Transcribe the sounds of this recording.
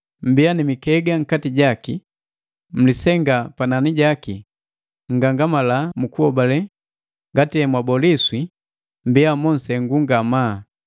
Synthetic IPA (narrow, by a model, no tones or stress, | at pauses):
m̩bianimikɛɡaŋkatiɟaki | m̩lisɛŋɡapananiɟaki | ŋ̩ɡaŋɡamalamukuɔbalɛ | ŋɡatiɛmwabɔliswi | m̩biamɔn̩sɛŋɡuŋɡama